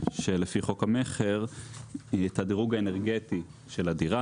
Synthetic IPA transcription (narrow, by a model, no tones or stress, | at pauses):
ʃe̞lefiχo̞khameχeʁ | et̪ad̪iʁuɡaeneʁɡet̪i | ʃe̞ladiʁa